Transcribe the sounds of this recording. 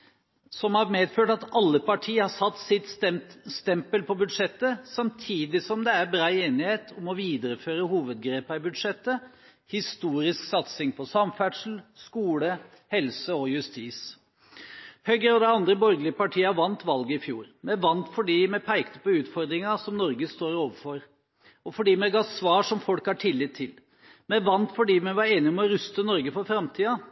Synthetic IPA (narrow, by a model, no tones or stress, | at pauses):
sɔmhɑɾmeːd̪føːʈɑt̪ɑlːəpɑʈʰiːəhɑsɑt̪ːsɪt̪sɛst̪ɛmpəlpʰɔbʉd̪ʂɛt̪ːəsɑmt̪ʰiːd̪ɪsɔmd̪ɛæɾbɾɑːɪeːnɪheːt̪ʰɔmɔʋiːd̪əɾəføːɾəhuːʋəd̪ɡɾeːpɑɪbʉd̪ʂɛt̪ːə | hɪst̪uːɾɪsksɑt̪sɪŋpʰɔsɑmfæʈʂl̩skuːlə | hɛlsəɔjʉst̪iːs | hœɡəɾɔd̪ɛɑnd̪ɾəbɔɾɡəlɪəpɑʈʰiːɑʋɑnt̪ʋɑlɡəɪfjṵːɾmɛæʋɑnt̪fɔɖiːmɛpʰæɪkt̪ə̥pɔʉːt̪fɔɾd̪ɾɪŋɑsɔmnɔɾɡəst̪oːɾoːʋəfɔɾ | ɔfɔɖiːmɛɡɑːsʋɑːʂɔmfɔlkhɑʈʰɪlːɪt̪ʰːɪl | mɛʋɑnt̪fɔɖiːmɛʋɑɾeːnɪɔmɔɾʉst̪ənɔɾɡəfɔɾfɾɑmt̪ʰiːɑ